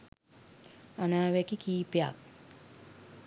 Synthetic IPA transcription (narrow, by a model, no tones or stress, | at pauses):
anaːʋɛkikiːpja̰k̚